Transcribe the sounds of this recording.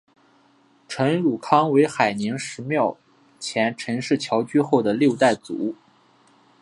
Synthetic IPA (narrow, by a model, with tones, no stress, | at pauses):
ʈ͡ʂʰɤ˧˥nɻu˨˩kʰɑ˥ŋwe˧˥ɪxa˨˩ɪni˧˥ŋʂɻ̩˧˥mjɑ˥˩ʊ | t͡ɕʰjɛ˧˥nʈ͡ʂʰɤ˧˥ŋʂɻ̩˥˩t͡ɕʰjɑ˧˥ʊt͡ɕy˥xo˥˩ʊd̪ə˩ljo˥˧ʊt̪a˥˩ɪt͡sṵ˨˧˩